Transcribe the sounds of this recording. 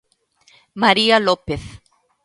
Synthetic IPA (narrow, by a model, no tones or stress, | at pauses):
maɾialopeθ